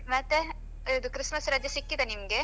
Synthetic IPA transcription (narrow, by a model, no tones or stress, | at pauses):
mɐt̪ːe | id̪ukɾɪsmɐsɾaːd͡ʒ̪jɐsikːid̪enimɐɡe